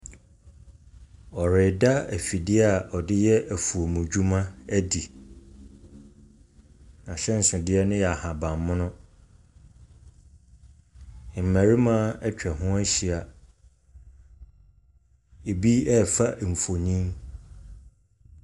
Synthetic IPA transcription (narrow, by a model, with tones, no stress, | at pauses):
ɔ˨ɾɪ˨da˦æ˨fi˨dɪ˦a˨ʔɔ˨dɪ˦jɛ˦ʔæ˨fu˨o˨mũ˨d͡ʑu˦mã˦æ˦di˨ | nã˨ɕɛ˦n̩˨sʊ̃˨dɪ˦ɛ˦nʊ̃˦jɛ˨a˨hã˨bã˨mːʊ̃˦nʊ̃˦˨ | m̩˨mæ̃˨ɾi˦mã˦ɛ˦t͡ɕᶣɛ˨ɦʊ̃˦a˦ɕi˨a˨ | e˨bi˦ɛ˦˨fa˦˨m̩˨fo˨ɲĩ˦m